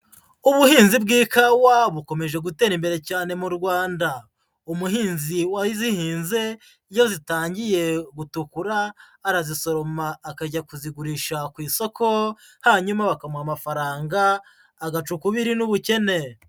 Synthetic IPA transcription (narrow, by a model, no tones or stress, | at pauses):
uβuhiːnzibɡiːkawaβuko̞me̞ʒe̞ɡute̞ːɾimbe̞ɾe̞caːne̞muɾɡwaːnda | umuɦiːnziwaizihiːnze̞ | ijo̞zitaːɲɟije̞ɡutukuɾaː | ɾaziso̞ɾo̞maːkaɟakuziɡuɾiːʃakwiːso̞kʰo̞ | haɲumaβakamwamafaɾaːŋɡaː | ɡat͡ʃukuβiɾinuβuce̞ne̞